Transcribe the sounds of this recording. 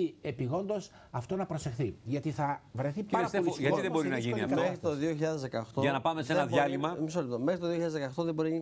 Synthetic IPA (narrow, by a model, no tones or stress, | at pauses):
iepiɣo̞nd̪o̞s | ɐft̪o̞nɐpɾo̞se̞xθiʝɐt̪iθɐvɾe̞θiɐɐliʝɐt̪iðebo̞ɾinɐʝiniɐmexɾit̪oðioçiʎɐðezðekɐoxt̪oɐnɐpɐmesenɐðʝɐlimɐmis̬olit̪omexɾit̪oðioçiʎɐðezðekɐoxt̪oðebo̞ɾini